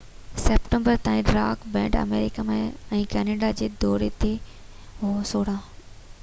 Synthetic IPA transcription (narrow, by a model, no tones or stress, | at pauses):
seːpʈə̃mbəɾt̪ãːĩɖɾa̰ːkbɛ̰̃ːʈə̰meːɾɪkamẽɛ̃ːkɛːneːɖad͡ʑeːd̪ɔːɾet̪ʰe | ɦosoːɽ̤ãː